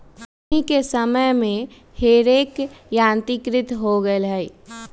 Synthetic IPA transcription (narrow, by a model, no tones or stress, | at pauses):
ikesəməjmẽ | heɾeːkjãːnt̪ikɾɪt̪ɦoɡəlɦɛ